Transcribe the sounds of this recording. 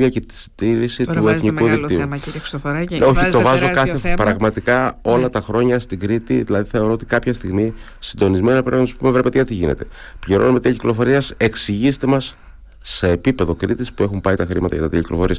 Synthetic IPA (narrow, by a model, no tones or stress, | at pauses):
iɐcet̪i̥st̪iɾisit̪ueθnikuðik̪iu | eo̞çit̪o̞vɐzokɐθepɾɐɣmɐt̪ikɐo̞lɐt̪ɐxɾo̞ɲɐst̪iɡɾit̪iðilɐðiθe̞o̞ɾoot̪i̥kɐpçɐst̪iɣmi | sind̪o̞nizmeninɐpɾnsu̥pume̞vɾe̞pet̪eɐt̪iʝḭne̞̰t̪e̞̥ | pʎiɾo̞̰nomet̪iciklo̞fo̞ɾiɐse̞ksiʝist̪e̞mɐsː | e̞ːpipe̞ðo̞kɾit̪ispue̞xumpɐit̪ɐxɾimɐt̪ɐʝɐt̪ɐt̪eciklo̞fo̞ɾiɐs